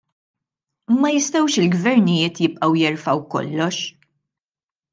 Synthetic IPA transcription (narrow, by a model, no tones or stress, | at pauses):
mɐjɪst̪ɐwʃɪlɡvɛɾnɪjɪːt̪jɪpʼʔɐwjɛɾfɐwkɔ̰lːɔʃ